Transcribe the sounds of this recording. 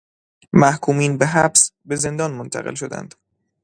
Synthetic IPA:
mæhkʰuːmiːnbeɦæbsbe̞ze̞nd̪ɒːnmont̪ʰæ̰ɣelʃod̪æ̰nd̪̥

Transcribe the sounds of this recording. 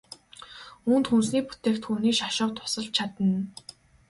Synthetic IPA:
uːnt̪xuːsniːkpʰu̥t̪eːkt̪xuːniːkʃaʃɔːt̪ʰʊ̥sə̆ɮ̚t͡ɕʰat̪ə̆n

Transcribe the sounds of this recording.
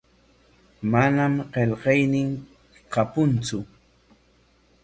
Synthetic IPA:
manamqeʎɢɑjnɪŋ | qapʊnt͡sʊ

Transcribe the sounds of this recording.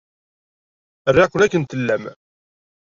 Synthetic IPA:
rːeqːʊlækːənt̪əlːæm

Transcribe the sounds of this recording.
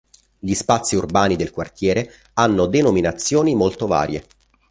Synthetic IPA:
ʎispat̪sːiurbaːnid̪elkwart̪jɛːɾe | anːod̪enominat̪sːjoːnimolt̪ova̰ːɾjḛ

